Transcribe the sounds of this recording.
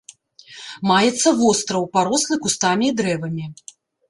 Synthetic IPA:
majɛt̪sːɐvɔst̪ɾɐwpaɾɔslˠɨkust̪amʲiːd̪ɾɛvɐmʲi

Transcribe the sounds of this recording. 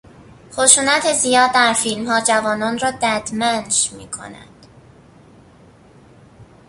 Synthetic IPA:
xoʃuːnæt̪ʰezijɒːd̪̚ːæɾfilmɦɒːd͡ʒævɒːnɒːnrɒːd̪æd̪̥mænʃmiːkʰo̞̰næ̰d̪̥

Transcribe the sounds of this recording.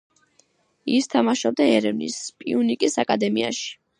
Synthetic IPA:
ist̪ʰamaʃɔb̚d̪aɛɾɛvnḭspʼiunikʼisakʼad̪ɛmiaʃi̥

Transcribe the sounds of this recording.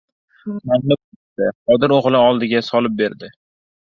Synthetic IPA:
maŋnɪb̚ | t̪ɪqɒd̪ɪɾoʁlˠɪɒlˠd̪ɪɡʲasɒlɪp̚beɾd̪ɪ

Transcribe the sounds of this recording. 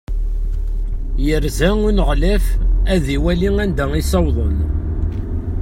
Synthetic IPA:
jəɾzæʊnəʁlæfæðiwæliŋænd̪æŋisɑwðˤən

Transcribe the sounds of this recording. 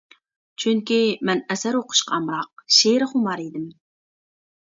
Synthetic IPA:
t͡ʃʰyŋkʲimɛnɛsæɾwoqʰʊ̥ʃqʰɑɑmɾɑq̚ʃeɾɪχʊmɑɾid̪ɪm

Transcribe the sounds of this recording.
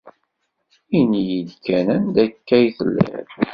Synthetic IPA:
inijəlkænənd̪ækːæjθəlːæ̰ɾ

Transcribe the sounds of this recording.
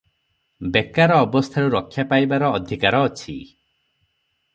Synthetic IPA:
bekaɾɔːbɔst̪ʰaɾuɾɔkʰːjapajbaɾɔːd̪ʱikaɾɔːt͡ʃʰi

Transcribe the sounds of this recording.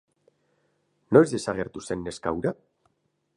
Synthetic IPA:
no̞ezðe̞saɣ̞e̞ɾt̪use̞nːe̞skawɾa

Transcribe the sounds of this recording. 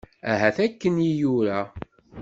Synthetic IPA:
æɦæθækːənjijuɾæ

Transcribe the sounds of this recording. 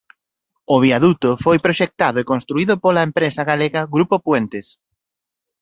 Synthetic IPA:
ʊβ̞iaðut̪ofojpɾoʃek̚t̪aðʊekonst̪ɾuiðʊpolaempɾesaɣaleɣɐɣɾupopwent̪es

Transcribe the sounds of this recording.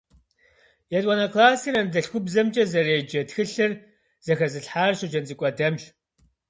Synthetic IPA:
jɛtʼɔnɐkʰlaːsirɐnɨdɐɬxʷʊbzɐmt͡ʃʼɐzɐreːd͡ʒɐtxɨɬɨr | z̥ɐxɐzɨɬħaːrɕɪd͡ʒɐnt͡sʼɨkʷʼɔdɐmɕ

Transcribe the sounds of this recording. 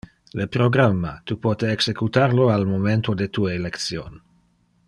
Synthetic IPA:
lepɾoɡɾamːa̰t̪upoːt̪eːksekut̪aɾloalmoment̪od̪et̪ueelekt̪sjon

